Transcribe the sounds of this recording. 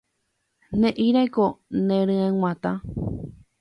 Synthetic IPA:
nẽʔiɾajkonẽɾɨ̃ẽw̃ʷãt̪ã

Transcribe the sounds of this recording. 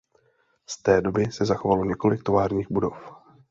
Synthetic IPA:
st̪ɛːdo̞bɪsɛzaxo̞valo̞ɲɛko̞lɪk̚t̪o̞vaːɾɲiːɣbudo̞f

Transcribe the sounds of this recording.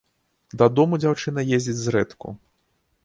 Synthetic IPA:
d̪ɐd̪ɔmud͡zʲawt͡ʂɨnɐjezʲd͡zʲid͡zʲzɾɛt̪kṵ

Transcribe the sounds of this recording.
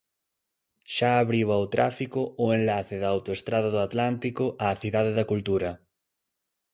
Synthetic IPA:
ʃaːβɾiβɐot̪ɾʔa̰fikʊʊenlaθɪðɐawt̪oest̪ɾaðɐðʊat̪lant̪ikʊʔaːθiðaðɪðɐkult̪uɾɐ

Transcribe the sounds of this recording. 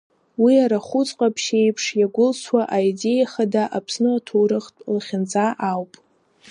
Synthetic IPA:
wiaɾaχʊt͡sʼqʼapʰʃe̞jpʰʂjaɡʷʊlsʰwaʔaide̞jaχadaʔapʰsnɨatʰowɾɨχtʼlχʲɪnd͡zaʔawpʼ

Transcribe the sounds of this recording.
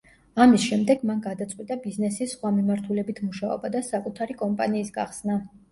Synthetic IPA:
amisʃɛmd̪ɛɡmanɡad̪at̪sʼwit̪ʼabiznɛsisːχwamimaɾt̪ʰulɛbit̪ʰmuʃaɔ̰bad̪asakʼut̪ʰaɾikʼɔmpʼa̰niːsɡa̰χsna

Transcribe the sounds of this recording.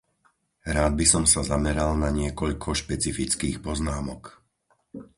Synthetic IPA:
ɾaːd̪̚bisɔmsazamɛɾalnaɲɪɛkɔʎkʰɔʃpɛt͡sifit͡skiːxpɔznaːmɔk

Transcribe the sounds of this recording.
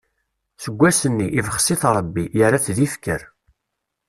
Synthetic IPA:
səɡʷːæsənːiʔivəχsiθɾˤəbːijəɾaθðifkəɾ

